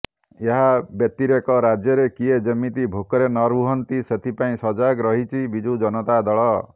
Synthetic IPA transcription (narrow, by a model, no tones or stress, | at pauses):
eɦabjɔt̪ːiɾekɔɾad͡ʒjɔɾekied͡ʒemit̪ibʱokɔɾenɔɾuɦɔnt̪iset̪ʰipaĩsɔd͡ʒaɡɾɔɦit͡ʃʰibid͡ʒud͡ʒɔnɔt̪ad̪ɔɭɔ